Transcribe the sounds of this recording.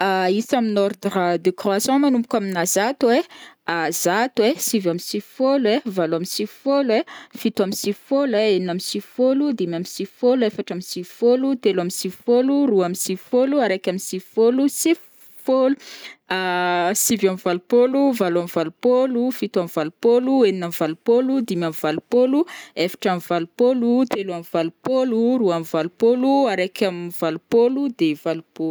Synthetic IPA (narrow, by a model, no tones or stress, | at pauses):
aisaminɔrd̪rad̪ekroasjɔ̃manumpukʲaminazat̪ueazat̪wesivamisivfoluevaluamisivi̥folefit̪uamisivi̥foleenamisivifolud̪imamisivfoluefaʈ͡ʂamisivfolut̪elamisivifoluruamisivifoluaɾakʲaminsivifolusiv | foluasivamivalupoluvalamvalupolufit̪uamvalupolueninamvalupolud̪imamvalupoluefḁʈ͡ʂamivalupolut̪eluamivalupoluɾuamivalupoluaɾakʲamiv̥alupolud̪evalupolu